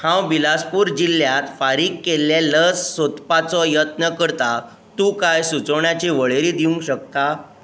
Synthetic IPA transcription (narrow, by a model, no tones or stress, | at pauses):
hãwbilaspuːɾd͡ʑilːjat̪faɾiːkːelːeləd͡zsot̪pat͡sɔjət̪nəkəɾt̪a | t̪ũkajsut͡səwɳjat͡ɕiʋəɭeɾiːd̪iũŋkɕək̚t̪a